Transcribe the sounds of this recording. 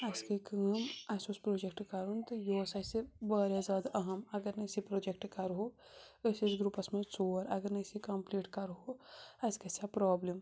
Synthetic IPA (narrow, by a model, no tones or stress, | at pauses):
ɐskekɐmɐsospɾoːd͡ʒek̚ʈkɐɾunt̪ɨjosɐsebaːɾjazjaːd̪ʔɐɦɐmɐɡɐɾnɐjsipɾoːd͡ʒek̚ʈkɐɾɦo | əsisɡɾupɐsmet͡soːɾɐɡɐɾnɐjsikɐmpliːʈkɐɾɦoɐskɐsaːpɾoːblim